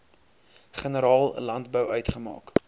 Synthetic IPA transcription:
χənəɾɑːlˠə̰lɐntbəwœɥtχəmɑ̰ːk

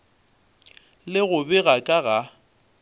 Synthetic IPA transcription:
lɪɣʊbɪɣakʼaɣa

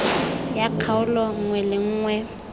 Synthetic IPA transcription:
jakʰaʊlɔŋ̩ŋwɛlɪŋ̩ːŋwɛ

